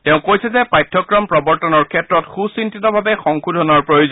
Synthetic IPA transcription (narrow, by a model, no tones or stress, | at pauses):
tɛʊ̃kojsɛzɛpajtʰːɔkɹɔmpɹɔbɔɹtɔnɔɹkʰɛtɹɔtxusintitɔbʱabɛxɔŋkʰudʱɔnaɹpɹojozɔn